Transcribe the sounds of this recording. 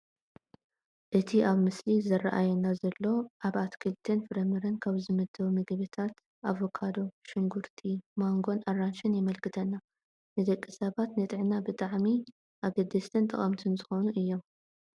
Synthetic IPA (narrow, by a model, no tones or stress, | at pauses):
ʔɨt̪ʰiʔaβmɨslizɐraʔajɛnazɐlːo̞ʔaβat̪kʰɨlt̪ʰɨnfɨɾɐmɨɾɨnkʰaβzɨmɐd̪ɐwumɨɡβɨt̪ʰat̪ | ʔaβokʰad̪o̞ʃɪŋɡuɾt̪ʰimaŋɡo̞nʔarːanʃɪnjɪmɐlkʰɨt̪ʰɐnːa | nɨd̪ɐkʼːisɐβat̪nɨt̪ʼɨʕnabɨt̪ʼaʕmi | ʔaβɡɐd̪ːɐst̪ʰɨnt̪ʼɨ̰χʼɐmt̪ʰɨnzɨxonuʔɨjːo̞m